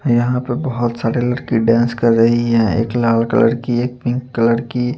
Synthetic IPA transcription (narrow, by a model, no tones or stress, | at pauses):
jɐɦãpɐɾbɐɦʊt̪saːɾelɐɽkiɖãːnskɐɾːəɦiɦɛ̃ḛːklaːlkə̰lə̰ɾkieːk̚pɪ̃ŋkːələɾki